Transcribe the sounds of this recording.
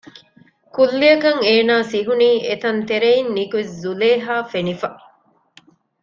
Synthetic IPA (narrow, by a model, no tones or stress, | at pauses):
kulːiɐkɐŋeːnaːsiɦuniːʔet̪ɐnt̪eɾeinːikuiszuleːɦaːfenifɐ